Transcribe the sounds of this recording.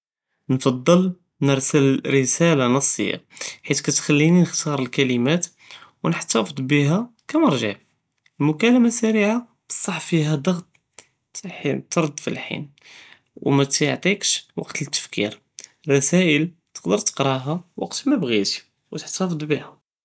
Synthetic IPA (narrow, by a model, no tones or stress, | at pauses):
nfɑd̪ˤːəl | nəɾˤsəlɾəsælanɑsˤːə̰jːa̰ħit̪kæt̪xælːininəxt̪ɑɾˤəlkæləmæt̪ | wnəħt̪æfəd̪ˤbiɦækæməɾˤʒəʕ | lmʊkæləmasæɾiʕa | bə̥sˤːɑħfiɦæd̪ɑɣt̪ˤ | it̪ɾˤd̪ːˤfḭlħḭn | wmæt̪j̰ʕt̪ˤikʃwɑ̰qt̪ət̪ːə̥fkḭɾ | rˤːɑsæʔəlt̪ə̥qd̪əɾt̪ə̥qɾˤɑɦæwɑ̰qt̪mæbɣit̪i | wt̪əħt̪ɑfəd̪ˤbihæ